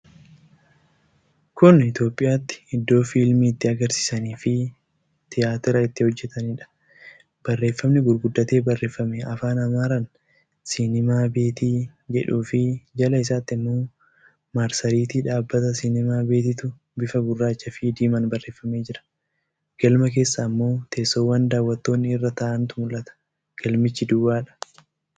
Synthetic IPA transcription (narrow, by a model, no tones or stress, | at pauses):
kʊnɪt̪jo̞ːpʼːɪjaːt̪ːɪ̥ɪd̪ːo̞ːfiːlmiːɪt̪ːɪɐɡɐɾsɪ̥sɐniːfɪ | t̪ɪjaːt̪ɪɾɐɪt̪ːɪhɔd͡ʒːɛt̪ɐnɪᶑɐ̥ | b̥ɐrːe̞ːfːɐmnɪɡʊɾɡʊd̪ːɐt̪e̞ːbɐrːe̞ːfːɐmeɐfaːnɐmaːɾɐn | sɪnɪmaːbe̞ːt̪iːd͡ʒɛᶑuːfɪd͡ʒɐlɐɪsaːt̪ːɪmːoː | maɾsɐɾiːt̪ɪᶑaːbːɐt̪ɐsɪnɪmaːbe̞ːt̪ɪt̪ʊ | bɪfɐɡʊrːaːt͡ʃːɐfɪd̪iːmɐnbɐrːe̞ːfːɐme̞ːd͡ʒɪɾɐ̥ | ɡ̥ɐlmɐke̞ːsːɐːmːo̞ːt̪eːsːoːwːɐnd̪aːwːɐt̪ːo̞ːnːɪɪrːɐt̪aːʔɐnt̪ʊmʊlʔɐt̪ɐ̥ | ɡ̥ɐlmɪt͡ʃːɪd̪ʊwaːᶑɐ̥